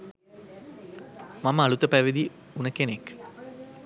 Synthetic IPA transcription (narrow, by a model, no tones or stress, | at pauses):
maməalut̪əpæʋid̪i | unəkenek